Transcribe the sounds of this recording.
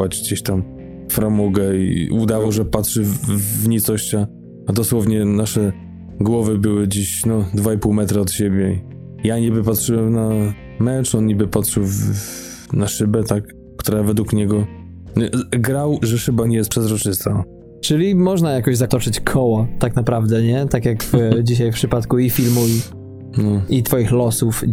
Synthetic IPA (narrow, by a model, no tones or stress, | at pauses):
ad͡ʑɡd͡ʑeɕt̪am | fɾamɔɡɛḭud̪avawʐɛpatʂɘvvɲit̪sɔɕt͡ɕa | ad̪ɔswɔvɲɛnaʂɛ | ɡwɔvɘbɘwɘd͡ʑiɕnɔd̪vaipuwmɛt̪ɾaɔt̪ɕebʲjɛi | jaɲibɘpatʂɘwɛmna | mɛt͡ʂɔnɲibɘpatʂɘwv | naʂɘbɛt̪akː | t̪uɾavɛd̪wukɲɛɡɔ | ɡɾawʐɛʂɘbaɲɛjɛst̪pʂɛzɾɔt͡ʂɘst̪a | t͡ʂɘlʲimɔʐnajakɔʑzat̪ɔt͡ʂɘt͡ɕkʰɔwɔt̪aknapɾavd̪ɛɲɛt̪akʲjakd͡ʑiɕ̬ajfpʂɘpat̪kuifʲilmui | nɔit̪fɔjixlɔsuf